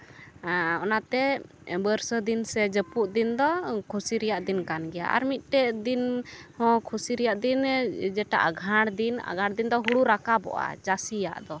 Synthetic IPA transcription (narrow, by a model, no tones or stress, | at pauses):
ɔnat̪ɛ | bəɾsəd̪insɛd͡ʒəpuʔd̪ind̪ɔkʰusiɾɛjaʔd̪inkanɡɛja̰ʔa̰ɾmit̪̚ˀʈɛd̪inhɔ̃kʰusiɾɛjaʔd̪ind͡ʒɛʈa̰ʔaɡʱãɽd̪ina̰ɡʱãɽd̪ind̪ɔɦuɽuɾakabɔ̰ʔa̰d͡ʒasija̰ʔd̪ɔ